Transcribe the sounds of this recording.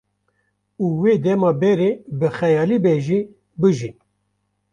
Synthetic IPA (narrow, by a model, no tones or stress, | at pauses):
uːweːd̪ɛmɑːbɛɾebɨxɛjɑːlibɛʒiː | bɨʒin